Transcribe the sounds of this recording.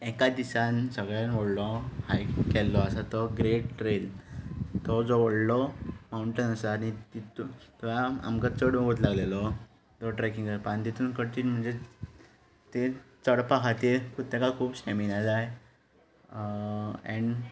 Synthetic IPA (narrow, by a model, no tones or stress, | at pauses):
ɛkad̪isansəɡɭanʋəɽlɔhajkɛlːɔəsat̪ɔɡɾeʈʈɾel | t̪ɔd͡zɔʋəɽlɔmauɳʈənəsanit̪it̪ut̪laa̰mkat͡səɽɡot̪̬laɡlelɔ | t̪ɔʈɾɛkĩŋɡəɾpant̪it̪ʰuːnkəɽt̪iːnm̤əɳd͡ze | t̪et͡səɽpaɦat̪eɾkut̪ːekakʰuːbsɛminad͡zaj | ɛ̃ɳ